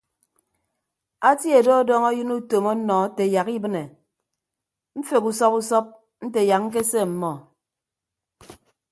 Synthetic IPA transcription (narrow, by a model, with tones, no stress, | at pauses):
a˦ti˦e˨dɔ˦ɔ˦dɔ˦ŋɔ˦jɨ˦nu˦to˨mɔ˦nɔ˨˦te˨ja˨ki˦bɨ˦ne˨ | m̩˦fe˨ku˨sɔ˦ku˦sɔ˦p̚ | n̩˦te˨ja˨k̚ŋ̩˦k̬e˦se˦˨m̩˨mɔ˨